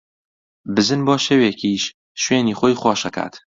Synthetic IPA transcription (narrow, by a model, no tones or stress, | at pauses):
bɨzɨnboːʃeːweːkʰiːʃ | ʃweːniːxoːjxwɑːʃɐkʰa̰ːt̪